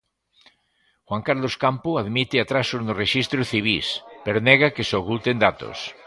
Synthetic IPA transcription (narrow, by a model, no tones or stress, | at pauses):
xwaŋkaɾloskampʊaðmit̪ɪat̪ɾasoznʊreʃist̪ɾoθiβ̞ispeɾonɛɣakesokult̪end̪at̪o̰s